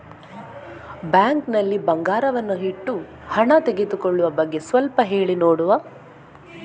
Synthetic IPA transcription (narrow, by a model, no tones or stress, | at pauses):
bjaːŋknɐlːibɐŋɡaːɾɐʋɐnːuɦiʈːu | hɐɳɐt̪eɡed̪ukoɭːuʋɐbɐɡːe̞sʋɐlpɐɦe̞ːɭinoːɽuʋɐ